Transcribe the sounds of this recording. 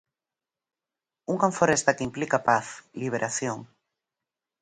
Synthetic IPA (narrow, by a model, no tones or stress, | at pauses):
uŋkaɱfoɾest̪akimplikapaθliβ̞eɾʔaθjoŋ